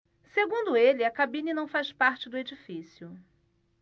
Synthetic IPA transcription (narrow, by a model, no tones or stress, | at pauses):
seɡũd̪ʊelɪɐkabĩnɐnɐ̃w̃fajspaɾt͡ʃɪd̪ʊed͡ʒifisijʊ